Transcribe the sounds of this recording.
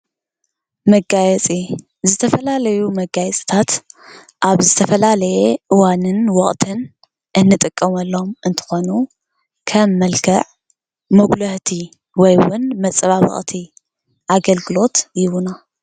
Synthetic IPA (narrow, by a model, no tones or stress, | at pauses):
mɐɡajɛt͡sʼi | zɨt̪ʰɐfɐlalɐjumɐɡajɛt͡sʼi̥t̪ʰat̪ | ʔaβzɨt̪ʰɐfɐlalɐjeʔɨwanɨnwɔχʼt̪ʰɨn | ʔɨnːɨt̪ʼɨkʼːɐmɐlːo̞mʔɨnt̪ʰɨ̥xo̞nu | kʰɐmːɐlkʰɐʕ | moɡlɐht̪ʰi | wɔjwʊnmɐt͡sʼɨβawɔ̰χʼt̪ʰi | ʔaɡɐlɡɨlo̞t̪jɪwuna